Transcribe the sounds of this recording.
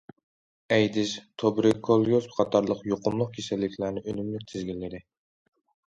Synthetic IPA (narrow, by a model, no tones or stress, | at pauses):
ɛjd̪ɪst̪ʰobɾɪkʰːolˠjosbqʰɑt̪ʰɑɾlˠəqjoqʰʊmlˠʊq̚kʲʰesɛlːɪkʲʰlæɾnɪʔønymlɪk̚ʲt̪ʰɪzɡʲilːɪd̪ɪ